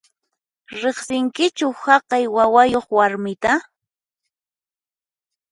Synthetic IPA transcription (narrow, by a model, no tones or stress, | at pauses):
ɾeχsɪŋkɪt͡ʃʊhɑqɑjwawajoχwaɾmɪt̪a